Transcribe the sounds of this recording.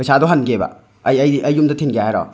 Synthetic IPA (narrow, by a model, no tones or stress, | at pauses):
pɐjsadɔɦanɡeba̰ | jɐjɐjːumdɐtʰinɡijaɦajɾɔ̰